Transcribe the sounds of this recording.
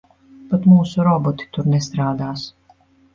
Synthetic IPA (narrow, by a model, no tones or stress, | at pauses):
pat̪muːsuɾɔbɔt̪i̥t̪uɾnest̪ɾaːd̪aːs